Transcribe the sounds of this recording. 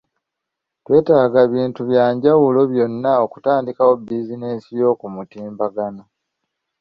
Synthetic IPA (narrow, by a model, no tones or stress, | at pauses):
twe̞ːtaːɡaβiːntuβjaːɲɟawulo̞βjo̞nːao̞ku̥taːndikawo̞bizine̞ːsijo̞ːkumutiːmbaɡano